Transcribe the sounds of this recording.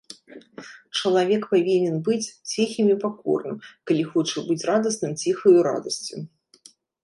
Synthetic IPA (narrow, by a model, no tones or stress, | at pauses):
t͡ʂɐlˠavʲɛkpavʲinʲɛnbɨt͡sʲt͡sʲixʲimʲipakɔ̰rnɨmkalʲixɔt͡ʂɐbɨt͡sʲrad̪ɐsnɨmt͡sʲixɐjuɾa̰d̪ɐsʲt͡sʲu